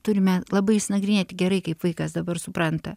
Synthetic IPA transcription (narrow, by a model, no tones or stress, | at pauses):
t̪ʊɾʲɪmʲɛlˠɐbɐɪsʲnɐɡɾʲɪnʲeːt̪ʲɪɡʲɛɾɐɪkɐɪpʋɐɪkɐsd̪ɐbɐrsʊpɾɐnt̪ɐ